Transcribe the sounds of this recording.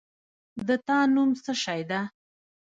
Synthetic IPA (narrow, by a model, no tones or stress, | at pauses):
d̪ət̪ɑnumsəʃɑjd̪a